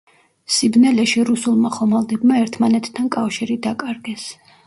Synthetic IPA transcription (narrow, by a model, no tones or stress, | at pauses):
sibnɛlɛʃiɾusulˠmaχɔmalˠd̪ɛbmaɛɾt̪ʰmanɛt̪ʰːankʼafʃiɾid̪akʼaɾɡɛs